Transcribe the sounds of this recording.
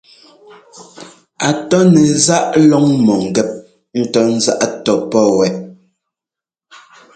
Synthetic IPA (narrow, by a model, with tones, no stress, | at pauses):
a˨tɔ˦nɛ˨za˦ʔlɔ˦ŋmɔ˨ŋ̩˨ɡɛ˦˨p̚ | n̩˦tɔ˦n̩˦za̰˦ʔtɔ˨pɔ˦wɛ˨ʔ